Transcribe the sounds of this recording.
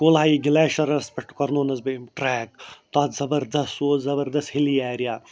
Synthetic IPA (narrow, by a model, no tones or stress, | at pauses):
koːlaːjiɡilaːʃɐɾɐspek̚ʈkɐɾnoːnɐzbemʈɾɛːk̚t̪aːt̪zɐbɐɾd̪ɐsoːzɐbɐɾd̪ɐshiliaːɾijaː